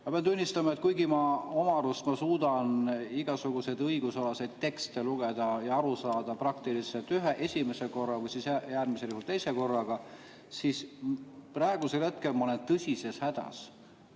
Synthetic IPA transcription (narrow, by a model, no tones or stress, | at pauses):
mɑpeɑnd̪unʲːist̪ɑmɑe̞t̪̚ˑkujɡimɑomɑɾust̪mɑsuːd̪̥ɑniɡ̥ɑsuɡ̥use̞d̪ɤiɡ̥usolɑse̞jd̪̥̚t̪e̞kst̪eluɡ̥e̞d̪̥ɑjɑɑɾusɑːd̪̥ɑprɑkt̪ilise̞lt̪yɦeʔe̞sʲime̞se̞ko̞rːɑvɯjsisæjæːrmise̞ljuhult̪e̞jse̞ko̞rːɑɡ̥ɑ | sisprɑeɡ̥use̞lhe̞t̪̚ke̞lmɑo̞lent̪ɤsʲise̞shæd̪̥ɑ̰s